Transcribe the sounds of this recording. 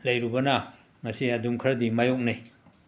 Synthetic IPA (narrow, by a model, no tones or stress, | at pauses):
lɐjɾubɐnɐ | ŋɐsiɐdumkʰɾɐdimajok̚nij